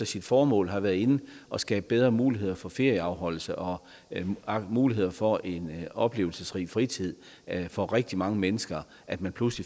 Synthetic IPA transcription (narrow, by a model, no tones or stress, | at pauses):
ɒsid̥fɒːmɔ̰ːlɦɑ̈ʋæːɐð̩ˠe̝n̩ʔɒ̽sɡ̥ɛ̰ːb̥əb̥eð̞ˠʁɐmuːliɦe̝ð̰ˠɐfɒ̽fe̝ɐ̰jəɑ̈ʊɦɒ̽l̰l̩səʔɒ̽ | ɑmuːliɦe̝ð̞̰ˠɐfɒ̽ʔe̝nɒ̽b̥le̝̰ːʊl̩səsʁḭːfʁit͡sʰið̞̰ˠ | fɒ̽ʁeɡ̥̚d̥imɑ̈ŋəmenəsɡ̥ɐ | ʔæd̥mænpʰlusli